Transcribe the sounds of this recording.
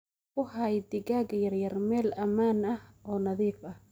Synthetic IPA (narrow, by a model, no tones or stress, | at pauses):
wʊhɑjd̪ɪɡaːɡjɐrjɐrmɛːlɐmaːnɐhʔɔːnɐðiːfɐh